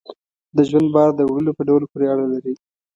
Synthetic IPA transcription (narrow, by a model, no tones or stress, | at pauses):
d̪əʒwand̪̚bɑɾd̪ːəwɽəlopəɖawlopoɾeaɽalaɾi